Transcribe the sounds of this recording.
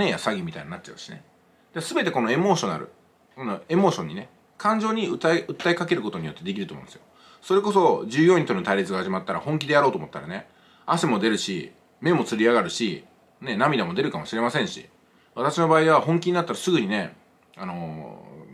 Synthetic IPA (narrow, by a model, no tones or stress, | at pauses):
nejasaɡʲimʲit̪aiɲinat͡ɕ̚ːt͡ɕːaɯ̟ɕine | d̪̥esɨbe̞t̪e̞ko̞no̞e̞mo̞ːɕo̞na̰ɾɯ̰ | ko̞noe̞mo̞ːɕõ̞ɲ̟ːine̞ | kʰãɲ̟d͡ʑo̞ːɲ̟iɯaɯ̟t̪ːaikake̞ɾɯ̟ko̞t̪o̞ɲ̟ijo̞t̪ːe̞d̪e̞kʲiɾɯ̟t̪omõnd̪esɨjo | so̞ɾe̞ko̞so̞d͡ʑɨːjo̞ɲĩt̪ont̪aiɾʲit͡sɨɡahaʑimat̪ːaɾa̰hõ̞ŋk̬ʲid̪e̞jaɾo̞ːt̪oːmot̪ːaɾane | asemo̞d̪e̞ɾɯ̟ɕḭ | me̞mo̞t͡sɨɾʲiaɣaɾɯ̟ɕi | ne̞namʲid̪amo̞d̪e̞ɾɯ̟kamoɕiɾe̞masẽ̞ɰ̃ɕḭ | β̞at̪aɕino̞baːiβaɦõ̞ŋkʲiɲ̟inat̪ːaɾasɨɡɯ̟ɲ̟ine̞ | ano̞